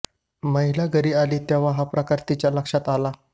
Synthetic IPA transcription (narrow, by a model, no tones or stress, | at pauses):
məɦilaɡəɾiːaliːt̪jeʋ̤aɦapɾəkaɾt̪it͡ɕjaləkʂat̪ala